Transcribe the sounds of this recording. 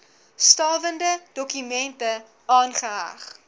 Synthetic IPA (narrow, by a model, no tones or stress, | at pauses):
stɑːvəndəd̥ɔkymɛntə | ɑːnχəɦa̰χ